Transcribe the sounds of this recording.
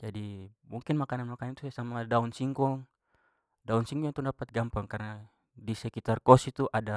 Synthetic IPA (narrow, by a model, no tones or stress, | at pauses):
d͡ʒadimuŋkinmakananmakanant̪usasamadaunsiŋkɔŋ | daunsiŋɡɔŋt̪udapat̪̚ɡampaŋkarna | disɛkit̪arkɔsit̪uʔada